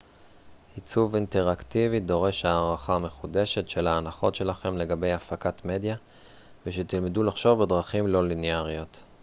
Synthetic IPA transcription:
hit͡suvinteʁaktivid̪o̞ʁe̞ʃhaːʁaχame̞χude̞ʃe̞tʃe̞laːnaχo̞̰tʃe̞laχe̞mle̞ɡabe̞jafakatme̞d̪ja | veʃet̪ilmedulaχʃo̞vbe̞dʁaχimlo̞lineaʁjo̞t̪

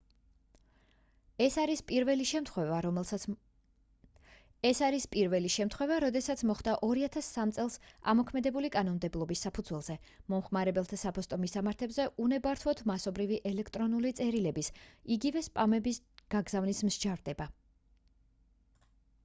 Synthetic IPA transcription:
ɛsaɾispʼiɾvɛliʃɛmt̪χwɛva | ɛsaɾispʼiɾvɛliʃɛmt̪ʰχwɛvaɾɔd̪ɛsat̪sʰmɔχd̪aʔɔɾiat̪ʰasːamt̪sʼɛlˠsa̰mɔkʰmɛd̪ɛbulikʼanɔnmd̪ɛblˠɔbisːapʰud̪zwɛlˠz̥ɛ | mɔmχmaɾɛbɛlˠt̪ʰasapʰɔst̪ʼɔmisamaɾt̪ʰɛbzɛʔunɛbaɾt̪ʰwɔt̪ʰmasɔbɾiviʔɛlɛkʰt̪ʼɾɔnulit̪sʼɛɾilɛbisiɡivɛspʼamɛbis | ɡ̥aɡzavnismʒd͡ʒaɾd̪ɛba

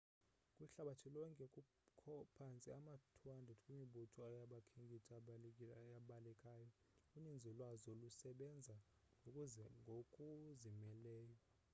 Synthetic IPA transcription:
kʼwiɬaɓatʰilɔŋkʼɛkʼu | kʰɔpʰant͡sʼiamatʰwandʱɛtʰkʼwimiɓutʰɔajaɓakʰiŋɡʱitʼa | jaɓalɛkʼaːjɔ | unind͡zʱilwazɔlusɛɓɛnd͡zʱa | ŋɡʱokʼuzɛŋɡʱokʼuzimɛlɛːjɔ

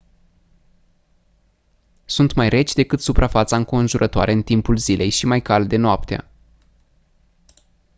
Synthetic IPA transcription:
sunt̪majre̞t͡ʃʲd̪e̞kɨt̪supɾʔafat̪saŋko̞nʒuɾʔət̪oa̰ɾe̞ɨnt̪impulzilʔe̞jʃimajkald̪e̞noapt̪ea̰

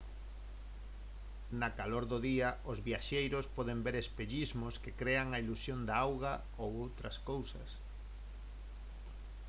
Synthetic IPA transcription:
nakaloɾðʊðiɐʊzβjaʃejɾʊspɔðembeɾespeʎizmʊskɪkɾeaŋɐilusjond̪aawɣa | owowt̪ɾɐskowsɐ̰s

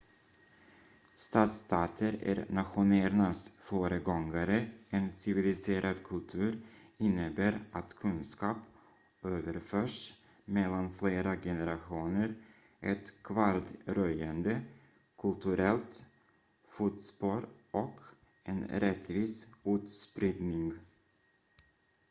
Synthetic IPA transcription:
st̪ɑːt̪st̪ʰɑːt̪ʰəɾæ̰ɾnat̪ɧʊneːɾnasfœːɾəɡɔŋɡaɾəɛnsɪvɪlɪseːɾʔad̪kʰɵlt̪ʰʉ̟ːɾɪnːəbæːɾat̪kʰɵnskɑːp | øːvəɾføːʂ | mɛlːanfleːɾaɡɛnɛɾaɧuːnəɾ | ʔɛt̪kʰvaɾd̪ɾœjand̪ə | kʰɵlt̪ʰɵɾɛlt̪ | fut̪sbɑːɾʔɔk | ɛ̰nɾɛt̪ːviːsʉ̟ːt̪spɾɪd̪nɪŋ

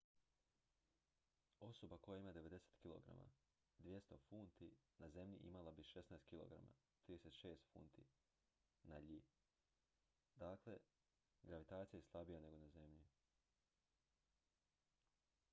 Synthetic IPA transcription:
o̞so̞bako̞jaimad̪eʋe̞d̪e̞se̥t̪kilo̞̰ɡɾa̰ma̰ | d̪ʋje̞st̪o̞funt̪inaze̞mʎḭʔḭmalabiʃe̞snaest̪̚kʲilo̞̰ɡɾa̰ma̰ | t̪ɾid̪eset̪ʃeːst̪fṵːnt̪ḭ | naʎi | d̪aːkle̞ | ɡɾaʋit̪aːt̪sijajeslˠabijane̞ɡo̞naze̞mʎi

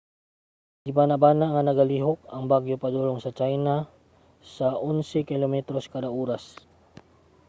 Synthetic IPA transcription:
d̪ɪbanabaːnaŋanɐɡɐliɦok̚ɐŋbaɡjopɐd̪uːloŋsɐt͡ʃajna | saʔʊnsɛkɪlomɛt̪ɾoskad̪aʔuːɾas

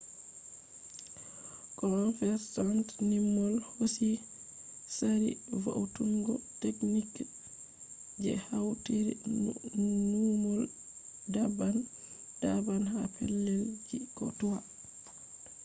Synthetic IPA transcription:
kɔnfɛɾsantnimːɔlhosi | saɾḭva̰wtuŋɡɔteknik | d͡ʒɛ̰hawteɾḭ | numɔl | daban | d̥abanha̰pʰɛ̰lːɛld͡ʒikɔ̰tuwa

